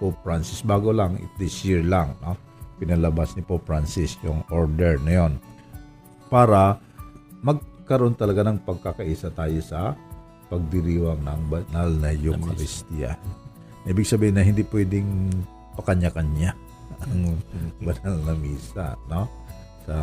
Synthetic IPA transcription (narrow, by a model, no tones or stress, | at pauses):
popɹansɪsbaːɡolaŋʔɪ̰d̪ɪsjɪɹlaŋno̞ | pɪnɐlɐbasnɪpopɹansɪsjʊŋʔoɹd̪ɛɹnɐjon | paːɾɐ | mɐɡ̚kɐɾoʔo̞nt̪ɐlɐɡanɐŋpɐɡ̚kakɐʔiːsɐt̪aːjosɐ | pɐɡ̚d̪ɪɾiːwɐŋnɐŋbɐnalnɐjʊŋkɐɾɪst̪ia̰ | ʔiːbɪɡ̚sɐbiːhɪnɐhɪnd̪ipwɛd̪ɪŋ | pɐkɐɲakɐɲa | ɐŋbɐnalnɐmiːsa̰no̞ | sɐ